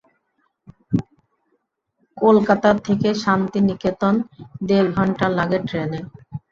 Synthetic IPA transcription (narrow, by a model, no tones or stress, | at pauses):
kolkat̪at̪ʰːekeʃant̪iniket̪ond̪ebɡʱɔɳʈalaɡeʈɾele